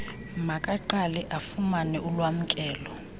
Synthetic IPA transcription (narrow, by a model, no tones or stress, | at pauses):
makʼaǃalɛʔafumanɛulwam̩kʼɛːlɔ